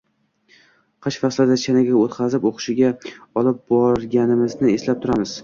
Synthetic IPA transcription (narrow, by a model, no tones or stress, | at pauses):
qʰɨʃfaslad̪at͡ʃʰanaɡʲaot̪qʰɑzɪpoqʰɨ̥ʃɪɡʲaɒlɪp̚bɒɾɡʲanɪmɪznɪeslap̚t̪ʰʊɾamɪz̥